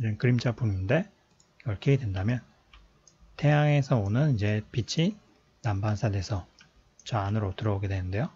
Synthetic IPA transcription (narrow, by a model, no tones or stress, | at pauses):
d͡ʑonkɯɾimd͡ʑʰapuninde̞ | ʌɭkʰeedwe̞ndamjʌn | te̞jaŋe̞sʰʌonɯnid͡ʑe̞pit͡ɕʰi | nambansʰade̞sʰʌ | t͡ɕʌanɯɾotɯɾʌoɡe̞dwenɯnde̞jo